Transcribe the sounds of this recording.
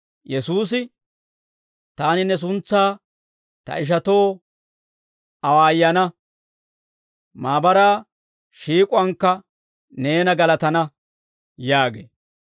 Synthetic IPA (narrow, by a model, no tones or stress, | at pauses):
jɛsuːs̬ɪ | t̪aːnɪnɛs̬ʊnt͡sːaː | t̪ɐ̰ʔɪʃ̬ɐt̪o̞ː | ɐwaːjːɐnɐ | maːbɐɾaː | ʃiːkʼʊɐŋkːɐ | ne̞ːnɐɡɐlɐt̪ɐnɐ | jaːɡḛː